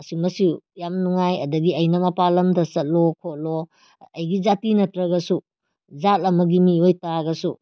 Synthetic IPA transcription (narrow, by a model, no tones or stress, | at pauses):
ɐsimɐsiwjamnuŋajɐdɐɡiɐjnɐmɐpalɐmdɐsɐt̚lokʰot̚lo | ɐjɡizatinɐtɾɐɡɐsu | zat̚ɐmɐɡimiojtaɡɐsu